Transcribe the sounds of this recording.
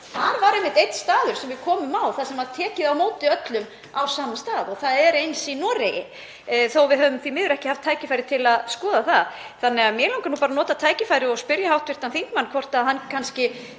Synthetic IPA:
θaɾvaɾɛmːɪht̪ejt̪n̥st̪aːðʏɾ̥sɛmvɪðkʰɔːmʏmawθaðsɛmaðt̪ʰɛːcɪðawmoːwt̪ɪœt̪lʏm | awsaːmamst̪aːðɔɣθaðɛɾejnsinɔɾejɪ̰ | θowvɪðɦœːvʏmθvimɪːðʏɾɛhcɪhaft̪ʰːaːjcɪfajɾɪt̪ʰɪlaðskɔːðaθa̰ð | θanːɛɣamjɛlawŋkanuːpaːɾanɔːt̪at̪ʰaːjcɪfajɾɪɔɣspɪɾjahawht̪vɪɾ̥t̪anθiŋkmanːkʰvɔr̥t̪aðɦankʰanscɪ

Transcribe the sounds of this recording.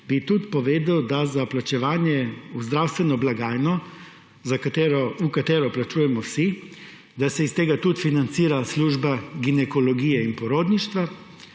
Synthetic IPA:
bit̪ut̪pɔʋeːd̪awd̪azaplat͡ʃɛʋaːnjɛuzd̪ɾawst̪ʋɛnɔblaɡaːjnɔ | zakat̪ɛɾɔukat̪eːɾɔplat͡ʃuːjɛmɔwsi | d̪asɛist̪eːɡat̪ut̪finant̪siːɾasluːʒbaɡinɛkɔlɔɡiːjɛinpɔɾoːd̪niʃt̪ʋa

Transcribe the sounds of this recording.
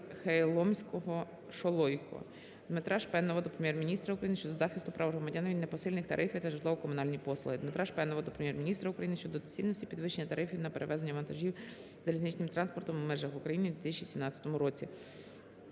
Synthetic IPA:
xejlˠɔmʲsʲkɔɦɔ | ʃɔlˠɔjkɔ̰ | d̪mɪt̪ɾʔɑʃpɛnɔʋɔd̪ɔpɾemʲjɛrmʲinʲist̪ɾɐʊukɾɐjinʃt͡ʃɔd̪ɔzɑxʲɪst̪ʊpɾʔɑʋɦɾɔmɐdʲanːɐʋʲid̪ʲnepɔsɪlʲnɪxt̪ɐ̰ɾʔɪfʲɪjt̪ɐʒɪlˠɔʋɔkɔmʊnɑlʲnʲipɔslˠʊɦɪd̪met̪ɾɑʃpɛnɔʋɔd̪ɔpɾemʲjɛrmʲinʲist̪ɾɐʊkɾɐjinɪʃt͡ʃɔd̪ɔt͡sʲilʲnsʲtʲi̥pʲid̪ʋɪʃenʲːɐt̪ɐɾɪfʲiwnɐpeɾeʋɛzenʲːɐʋɐnt̪ɐʒʲiw | zɐlʲizʲnit͡ʃnɪmt̪ɾɑnspɔrt̪ɔmmɛʒɐɦʊkɾɐjinɪd̪ʋʲit̪ɪst͡ʃʲiisʲimnɑt͡sʲɐ̥t̪ɔmʊɾɔt͡sʲi

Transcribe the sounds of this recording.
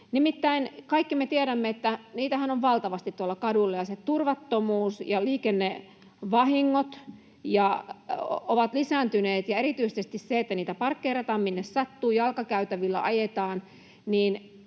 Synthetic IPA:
nimit̪ːæinkɑikːimet̪ieɾæmːeet̪ːæniːt̪æhænoʋʋɑlt̪ɑʋɑst̪it̪t̪uolːɑkɑdulːɑjɑset̪urʋɑt̪ːomuːsjɑliːkenːe | ʋɑhiŋːot̪ | jɑ | oʋɑt̪lisæːnt̪yneːt̪jɑeɾit̪yisest̪isseet̪ːæniːt̪æpɑrkːeirɑt̪ɑːmminːessɑt̪ːuːjɑlkɑkæyt̪æʋilːæ̰ʔɑjet̪ɑːn | niːn

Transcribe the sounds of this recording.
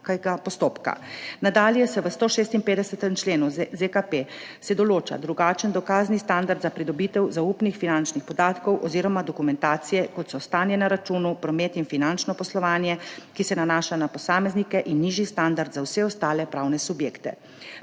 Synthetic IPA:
kɡapɔst̪oːpka̰nad̪aːljɛsɛʋəst̪oːʃeːst̪inpeːd̪ɛsət̪əmt͡ʃleːnuzekape | sɛd̪ɔloːt͡ʃa̰d̪ɾuɡaːt͡ʃənd̪ɔkaːznist̪and̪aɾd̪zapɾid̪ɔbiːt̪ɛwzaupnixfinant͡ʃnixpɔd̪aːt̪kɔwʔɔziːɾɔmad̪ɔkumɛnt̪aːt̪sijɛkɔt̪sɔst̪aːnjɛnɛɾat͡ʃuːnupɾɔmet̪infinant͡ʃnɔpɔslɔʋaːnjɛkisɛnanaːʃanapɔsaːmɛznikɛʔinːiːʒist̪and̪aɾd̪zawsɛɔst̪aːlɛpɾawnɛsubjeːkt̪ɛ̰

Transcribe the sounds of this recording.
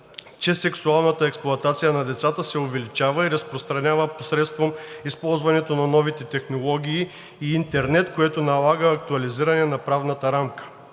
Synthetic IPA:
t͡ʃɛsɛksualˠnət̪əɛksplˠʊɐt̪at̪sijənɐd̪ɛt̪sat̪əsɛʊvɛlit͡ʃavəiɾɐspɾost̪ɾɐnʲavəposɾɛt̪st̪vomispɔlˠzvɐnɛt̪onɐnɔvit̪ɛt̪ɛxnolˠɔɡʲiː | nt̪ɛɾnɛt̪koɛt̪onɐlˠaɡəːk̚t̪uɐliziɾɐnɛnɐpɾavnət̪əɾamkə̥

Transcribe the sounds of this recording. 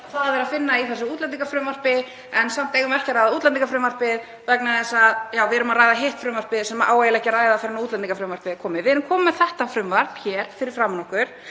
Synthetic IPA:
θaðavɛɾaðfɪnːaiθɛs̬ːʏuːt̪lɛnt̪iŋkafɾʏmar̥pɪ | ɛnsam̥t̪eːjɣʏmɛhcaɾajðauːt̪lɛnt̪iŋkafɾʏmvar̥pɪð | vɛknaθɛsaðjaːwvɪɛɾʏmaɾaːjðaɦeht̪fɾʏmvar̥pɪðsɛmaʔaːwvejɪlɛhcɪɾaːjðafɪɾɪnauːt̪lɛnt̪iŋkafɾʏmvaɾ̥pɪðkʰɔːmɪðvɪɛɾʏmkʰɔːmmɛθɛht̪afɾʏmvar̥pçɛːɾ̥fɪɾɪɾ̥fɾamnɔhkʏɾ̥

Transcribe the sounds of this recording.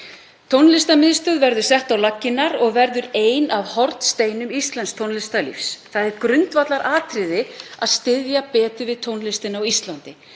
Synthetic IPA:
t̪ʰownlɪst̪amɪðst̪œðvɛɾðʏ̥sɛht̪awlacːɪnːaɾɔɣvɛɾðʏɾeːjnavhɔɾt̪st̪eːjnʏmist̪lɛnst̪ʰownlɪst̪alḭfsθaðɛɾkɾʏnt̪vat̪laɾʔaːt̪ʰɾɪðɪa̰ðst̪ɪðjapɛːt̪ʏvɪðt̪ʰownlɪst̪ɪnawist̪lant̪ɪ

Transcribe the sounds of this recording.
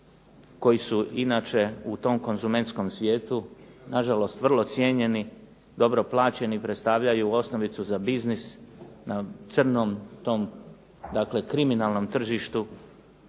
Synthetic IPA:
ko̞jisuinaːt͡ʃe̞ut̪o̞ːmko̞nzume̞nt̪sko̞msʋʲje̞ːt̪unaʒalo̞st̪ʋr̩lˠo̞t̪sje̞ɲe̞ni | d̪o̞bɾo̞plˠaːt͡ɕe̞nipɾet̪st̪aːʋʎajuo̞sno̞ʋit̪suzabiznisnat̪sər̩noːmt̪o̞ːm | d̪akle̞kɾiminalˠno̞mt̪r̩ʒiʃt̪u

